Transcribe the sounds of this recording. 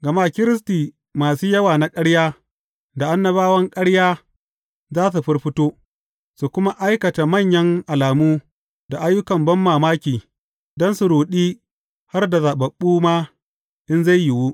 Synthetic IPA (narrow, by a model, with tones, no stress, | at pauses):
ɡɐ˨maː˦kʲɪ˦ɾɪ˦s̬tiː˨ | maː˨suː˦jɐ˦waː˨na˦kʼɐ˦ɽjaː˦ | da˨ʔa˦nːɐ˦βaː˦wɐ˦ŋkʼɐ˦ɽjaː˦ | zaː˦s̬u˨ɸɪ˦rɸɪ˦toː˦ | su˨kʷʊ˦ma˦ʔa˦jkɐ˨ta˨mɐ˦˨ɲjɐ˦ŋʔa˨laː˨muː˦ | da˨ʔa˦jːʊ˦kɐ˨mbɐ˦mːaː˨maː˦kʲiː˨ | dɔ˦nsu˨ɾuː˨ɗiː˦ | ha˦rda˨zaː˨ɓɐ˨ɓːuː˦ma˦ | ʔɪ˦nza˦˨jjɪ˨wu˦